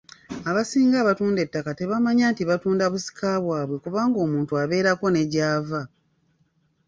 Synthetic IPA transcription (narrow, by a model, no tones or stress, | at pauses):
aβasiːŋɡaːβatuːnde̞tːakate̞βamaɲaːntiβatuːndaβusi̥kʰaβwaːβwe̞kuβaːŋɡo̞ːmuːntuaβe̞ːɾako̞ne̞ɟaːva